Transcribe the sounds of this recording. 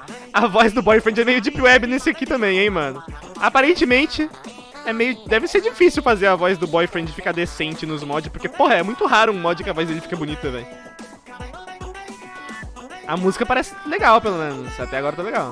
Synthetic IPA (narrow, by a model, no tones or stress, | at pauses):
ɐvɔzd̪ʊbɔjfɾẽnd͡ʒɛmejʊd͡ʒɪpuɛbɪnesɪakit̪ɐ̃mbẽj̃ẽj̃mɐ̃nʊapaɾẽnt͡ʃɪmẽnt͡ʃɪ | ɛmejʊd̪ɛvɪseɾd͡ʒifisiwfazeɾɐvɔzd̪ʊbɔjfɾẽnd͡ʒɪfi̥kaɾd̪esẽnt͡ʃɪnʊzmɔd͡ʒɪspoɾkepohɐɛmũj̃t̪ʊɦaɾʊũmɔd͡ʒɪkɪɐvɔzd̪elɪfi̥kɐbʊnit̪ʊt̪ɐ̃mbḛ̃j̃ | ɐmuzikɐpaɾɛsɪ̥leɡawpelomẽnʊsat̪ɛaɡɔɾɐt̪aleɡaw